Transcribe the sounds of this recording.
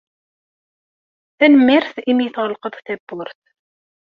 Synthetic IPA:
θænəmːiɾθimjɪθʁəlqəðˤθæbːʊɾθ

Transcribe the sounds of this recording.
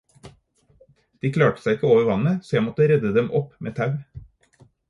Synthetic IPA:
d̪̥iːkʰlɑːʈə̥sæɪɪkəoːʋəɾʋɑnəsoːjæɪmɔt̪əɾɛd̪əd̪ɛmʔɔpmeːt̪ʰɑʉ

